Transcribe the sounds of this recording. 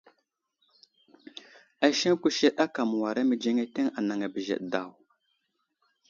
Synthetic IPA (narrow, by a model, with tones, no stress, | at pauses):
a˨ʃe˦ŋkʷu˦ʃe˦ɗa˦ka˨m˨wa˨ɾa˦mə˨d͡ʒe˦ŋe˦te˦ŋa˨na˨ŋa˨bə˨ʒḛ˨ɗda˨w